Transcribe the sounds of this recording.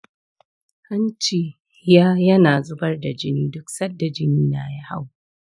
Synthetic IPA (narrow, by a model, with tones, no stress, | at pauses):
hɐ˦nt͡ʃiː˨˦ | jaː˦jɐ˦naː˨zʊ˦bɐ˦rda˨d͡ʒɪ˦niː˦dʊ˦ksɐ˦dːa˨d͡ʒɪ˦niː˦na̰ː˨ji˦ha˦˨w